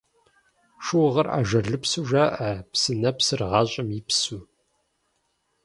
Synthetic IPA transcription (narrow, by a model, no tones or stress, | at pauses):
ʂɨwʁɐra̰ːʒɐɮɨpsuʒaːʔɐpsɨnɐpsɨrʁɑːɕʼɪmjɪpsuː